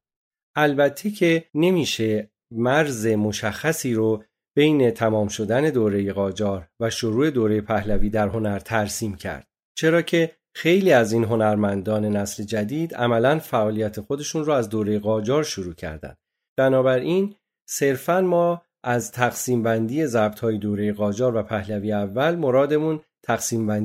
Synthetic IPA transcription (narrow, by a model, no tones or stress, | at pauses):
ʔælbæt̪ʰːecʰe̞ne̞miːʃe̞ | mæɾze̞mo̞ʃæxːæsiːɾo | b̥e̞jne̞t̪ʰæmɒːmʃo̞d̪æne̞d̪oːɾe̞je̞ɣɒːd͡ʒɒːɾvæʃoɾuːe̞d̪oːɾejepʰæhlæviːd̪æɾɦo̞næɾt̪ʰæɾsiːmcʰæ̰ɾd̪̥ | t͡ʃʰe̞ɾɒːcʰe̞ | xe̞jliːæziːnɦo̞næɾmænd̪ɒːne̞næsle̞d͡ʒæd̪iːd̪æ̰mælænfæʔɒːlijæt̪ʰe̞xo̞d̪e̞ʃuːnrɔæzd̪oːɾe̞jeɣɒːd͡ʒɒːɾʃoɾuːcʰæ̰ɾd̪æ̰nd̪ | b̥ænɒːbæɾin | se̞ɾfænmɒː | ʔæzt̪ʰæɣsiːmbænd̪iːje̞zæbt̪ʰhɒːjed̪oːɾe̞je̞ɣɒːd͡ʒɒːɾvæpʰæhlæviːævːælmo̞ɾɒːd̪e̞munt̪ʰæɣsiːmbæn